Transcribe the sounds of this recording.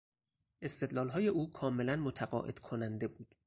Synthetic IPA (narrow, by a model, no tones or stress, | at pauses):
ʔe̞st̪e̞d̪lɒːlɦɒːjeʔuːkʰɒːme̞lænmot̪ʰæɢɒ̰ːʔe̞̰d̪̥kʰonænd̪e̞buːd̪̥